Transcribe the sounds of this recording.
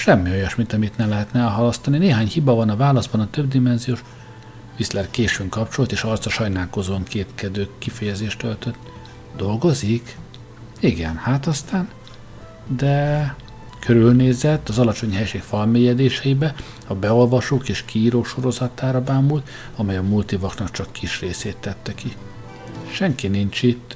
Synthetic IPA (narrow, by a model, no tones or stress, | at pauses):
ʃɛmːio̞jɒʃmint̪ɒmit̪nɛmlɛɦɛt̪nɛɛlɦɒlɒst̪ɒnineːɦaːɲhibɒvɒnɒvaːlɒzbɒnɒt̪ø̞b̚d̪imɛnzijoːʃ | vislɛrkeːʃyŋkɒpt͡ʃo̞lt̪eːʃɒrt̪sɒʃɒjnaːlko̞zoːɒŋkeːt̪kɛd̪øːkifɛjɛzeːʃt̪ølt̪øt̪ː | d̪o̞lɡo̞zik | iɡɛnhaːt̪ɒst̪aːn | d̪ɛ | kʰøɾylneːzɛt̪ːɒzɒlɒt͡ʃo̞ɲɦɛjʃeːkfɒlmeːjɛd̪eːʃɛjibɛ | ɒbɛo̞lvɒʃoːkeːʃkʰiːɾoːkʃo̞ɾo̞zɒt̪aːɾɒbaːmult̪ | ɒmɛjɒmult̪ivɒknɒkt͡ʃɒkːiʃreːseːt̪ːɛt̪ːɛki | ʃɛŋkinint͡ʃit̪ː